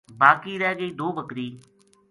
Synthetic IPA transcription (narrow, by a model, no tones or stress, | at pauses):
baːkiːɾɛːɡəiːd̪oːbəkɾiː